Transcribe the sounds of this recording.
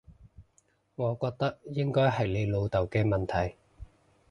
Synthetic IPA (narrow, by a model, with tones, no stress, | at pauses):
ŋɔː˨˧kɔː˧k̚t̪ɐ˥k̚jɪ˥ŋkɔː˥jɦɐ˨˩jle˨˧jlo˨˧wt̪ɐ˨˩wkɛː˧mɐ˨nt̪ʰɐ˨˩j